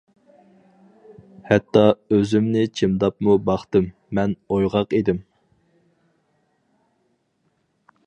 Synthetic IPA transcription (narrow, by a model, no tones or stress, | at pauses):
hɛt̪ːɑøzymnɪt͡ʃʰemd̪ɑpmubɑχt̪ɨmːɛnojʁɑqed̪ɪm